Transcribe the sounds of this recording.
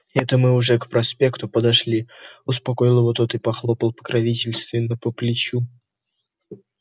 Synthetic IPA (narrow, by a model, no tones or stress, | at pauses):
ɛt̪əmɨʊʐɛkpɾɐspʲe̞kt̪ʊpəd̪ɐʂlʲiʊspɐko̞ɪlˠəvot̪ot̪ɨpɐxlˠopəlˠpə̥kɾʔɐvʲitʲɪlʲst̪vʲɪnːəpəplʲɪt͡ɕu